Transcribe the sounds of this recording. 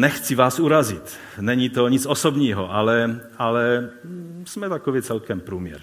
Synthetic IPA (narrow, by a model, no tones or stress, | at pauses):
nɛxt͡sivaːsuɾazɪt̪ | nɛɲit̪oɲit͡sosobɲiːɦoʔalɛ | alɛ | smɛt̪akovit͡sɛlkɛmpɾuːmjɛ̰ɾ